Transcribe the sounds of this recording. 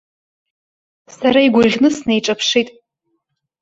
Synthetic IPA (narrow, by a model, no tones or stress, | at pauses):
saɾaiɡʷʊʁʲnɨsnejʈ͡ʂʼɐpʰʂitʼ